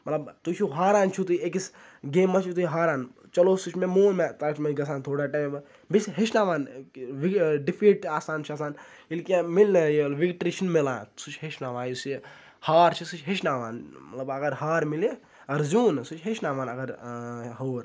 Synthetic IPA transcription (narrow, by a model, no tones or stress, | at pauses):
mɐt̪lɐbt̪ut͡ʃʰuɦaːɾaːnt͡ʃʰut̪uek̬isɡeːmːɐt͡ʃʰut̪uiɦaːɾaːn | t͡ʃɐloːsut͡ʃʰmẽmoːnmet̪ɐːt͡ʃʰmeɡɐs̬aːnt̪ʰoːɽaːʈaːm | bisɦeʃʰnaːʋaːnʋiɖipʰiːʈaːsaːnt͡ʃʰiasaːn | ilkemilnjelʋiɡʈɾiʃɐnmilaːnsut͡ʃʰɦeʃʰnaːʋãːjuse | haːɾt͡ʃʰisut͡ʃʰɦeʃnaːʋaːnmɐ̰t̪lɐbɐɡɐɾɦaːɾmile | ɐɾzuːnsut͡ʃʰɦet͡ʃnaːʋãːnɐɡɐɾɦoːɾ